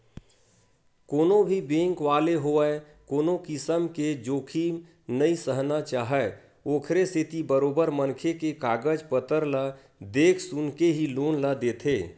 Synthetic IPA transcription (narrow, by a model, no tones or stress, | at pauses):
koːnobʱibẽːŋkʋaːleɦoə | koːnokɪsəmked͡ʒoːkʰiːm | nəisəɦnat͡ʃaːɦɛ | oːkʰɾeset̪ibəɾoːbəɾmənkʰekekaːɡəd͡ʒpət̪əɾla | d̪eːkʰsʊnkeɦiloːnləd̪eːt̪ʰeː